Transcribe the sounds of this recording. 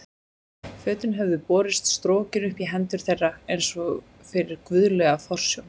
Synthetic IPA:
fœːt̪ɪnɦɛvðʏpɔːɾɪst̪st̪ɾoːcɪnʏhpiɦɛnt̪ʏɾ̥θejrːaejnsɔɣ | fɪɾɪɾkvʏðlɛːɣafɔr̥sjɔwn

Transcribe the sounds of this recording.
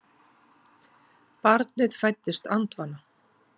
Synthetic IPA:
paɾt̪nɪðfajt̪ːɪst̪ant̪vanːa

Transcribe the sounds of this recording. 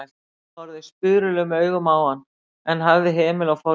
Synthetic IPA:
ɔɾðɪspʏðɾʏlʏɣmœːɥɣʏmaːwhanː | ɛnɦavðɪɦɛːmɪlawfa

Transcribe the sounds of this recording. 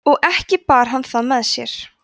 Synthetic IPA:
ɔɣʔɛhcɪpaːɾ̥ɦanːθaðmɛðsjɛ̰ɾ̥

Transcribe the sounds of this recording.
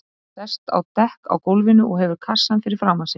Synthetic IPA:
sɛst̪a̰wt̪ɛhka̰wkowlvɪnʏʔɔɣɦɛvʏɾkʰasːanfɪɾɪɾ̥fɾaːwmasɪ

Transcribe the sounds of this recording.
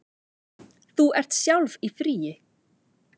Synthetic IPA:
θuɛr̥t̪sjawlvifɾiːɪ

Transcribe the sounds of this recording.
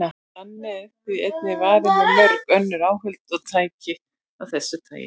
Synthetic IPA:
ahanːɛt̪iejt̪̚nɪvaːðɪnamœɾkœnːʏɾaːwɦʏlt̪ɔðt̪ʰaːjcɪ | awθɛsːɪt̪ʰa̰ːjɪ̰

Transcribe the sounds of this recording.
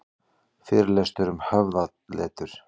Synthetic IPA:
fɪːɾlɛst̪ʏɾʏmhœvða | lɛ̰ːt̪ʏɾ̥

